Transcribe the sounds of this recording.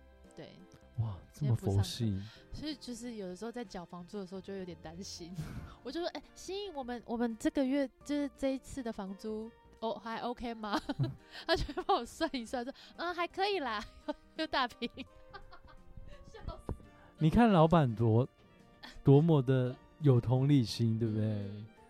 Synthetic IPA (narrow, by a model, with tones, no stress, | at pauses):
t̪wḛ˥˩ɪ | wa˨˩ʈ͡ʂə˥˩˥mə˨pu˧o˨˦ʊ˥ɕi˥˧ | o˥˧ʂ̩˥˧t͡ɕjo˥˧ʊʂ̬ɻ̩˥˩jo˨˩d̪əʂɻ̩˧˥o˥˧ʊt͡sa˥˩ɪt͡ɕjɑ˨˩ʊfɑ˧˦ŋt͡su˥d̪ʂɻ̩˧˥o˧t͡ɕo˥˧˥jo˧˦jɛ˨nt̪a˦nɕi˦nwɔ˨˩t͡ɕjo˥˧ʊ˩ʂʔe˥˩ɕi˥ni˥˩ŋwɔ˨˩mə˦nwʔɔ˨˩mə˦nʈ͡ʂɤ˥˩ɡə˨ɥɛ˥˩t͡ɕjo˥˧ʊʂɻ̩˥˧ʈ͡ʂɤ˥˧i˧˥t͡sʰɹ̩˥˩d̪ə˩fɑ˧˥ŋt͡su˥ | o˧˦xa˧˥ɪʔo˧˥ʊkʰe˥ɪma˨t̪ʰa˥˩t͡ɕo˥˩˥a˥nwɔ˨˩swa˥˧˩ni˧˥swa˥˩n̩˥˧xa˧˥ɪkʰɤ˧˥i˨˩lɐ˨˩jo˥˩ʊjo˨˩ʊt̪a˥˧pʰi˨˩˦ŋ | ʂ̩˥ | ni˨˩kʰa˥˩nlɑ˧˥ʊpa˨˩nt̪wɔ˧˦˥ | t̪wɔ˧˥mwɔ˨˩d̪ə˨ | jo˨˩ʊt̪ʰʊ˧˥ŋli˥˩ɕi˦˥nt̪we˥˧˩b̚d̪e˥˩ɪ